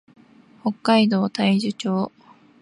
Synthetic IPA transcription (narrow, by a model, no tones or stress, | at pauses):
ho̞kːaid̪o̞ːt̪aiʑɨt͡ɕo̞ː